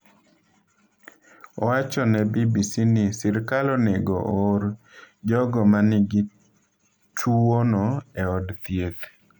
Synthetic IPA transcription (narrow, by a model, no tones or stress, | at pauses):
ɔwat͡ʃɔnɛbibisinɪsɪɾkalɔneɡɔ̰ʔoɾ | d͡ʒɔɡɔmanɪɡɪ | tʰuwonɔɛɔdt̪jet̪